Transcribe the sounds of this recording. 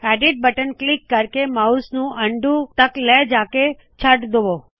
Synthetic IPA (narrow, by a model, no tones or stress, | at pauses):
æɖiʈ̚bəʈənklikːəɾkemausnũʔəɳɖũt̪əklɛd͡ʒake | t͡ʃʰəʈd̪oʋo